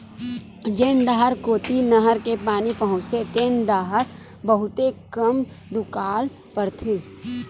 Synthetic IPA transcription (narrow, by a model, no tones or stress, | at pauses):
d͡ʒeːɳɖaːɦəɾkoːt̪inəɦəɾkepaːnipəɦʊ̃t͡ʃset̪eːnɖaːɦəɾ | bəɦʊt̪ekəm | d̪ʊkaːl | pəɾt̪ʰeː